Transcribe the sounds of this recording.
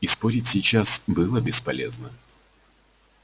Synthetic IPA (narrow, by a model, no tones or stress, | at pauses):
ispoɾʲɪtʲsʲɪt͡ɕasbɨlˠəbʲɪspɐlʲeznə